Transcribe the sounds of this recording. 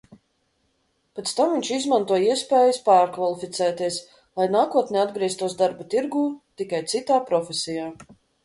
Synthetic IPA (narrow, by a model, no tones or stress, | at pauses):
pɛt̪st̪amviɲʲt͡ʃizmant̪uɔjiɛspɛːjaspaːɾkvalˠifit̪sɛːt̪iɛs | lˠajnaːkuɔt̪nʲɛad̪ɡɾiɛst̪uɔsd̪aɾbat̪iɾɡuːt̪ikajt̪sit̪aːpɾɔfʲesijaː